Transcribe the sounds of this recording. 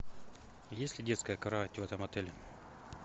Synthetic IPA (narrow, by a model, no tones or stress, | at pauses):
jesʲlʲɪdʲet̪skəjəkɐɾɐvatʲvɛt̪əmɐt̪ɛlʲɪ